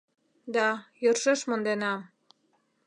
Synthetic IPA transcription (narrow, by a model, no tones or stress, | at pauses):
d̪ɑjɤrʃɤ̆ʃmŏnd̪enɑm